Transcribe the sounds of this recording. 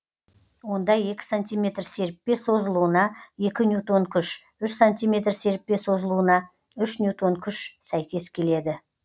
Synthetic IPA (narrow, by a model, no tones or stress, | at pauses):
wo̞nd̪ɑje̞kʲɪ̥sant̪ʲijmʲe̞t̪ɾse̞ɾp̚pːe̞so̞zəlˠuənɑje̞kʲɪnjut̪o̞ŋkʲʰʏʃʏʃsanʲt̪ʲijme̞t̪rse̞ɾp̚pe̞so̞zəlˠuənɑ | ʏʃnjut̪o̞ŋkʲʰʏʃsæjkʲe̞skʲʰe̞le̞d̪ɪ